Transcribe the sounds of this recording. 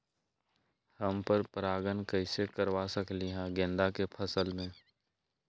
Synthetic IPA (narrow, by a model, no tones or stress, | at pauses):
həmpəɾpɾaːɡənkəɪsekəɾwasəkliɦɛ̃ɡẽnd̪akepʰəsəlmẽː